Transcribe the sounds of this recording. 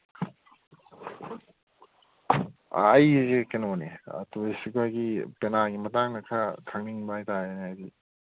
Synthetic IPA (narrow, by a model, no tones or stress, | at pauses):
a̰ːjzikenoneɐ̰tuesikajɡipenaɡimɐtaŋnɐkʰatʰaŋniŋbaajtaeneajdi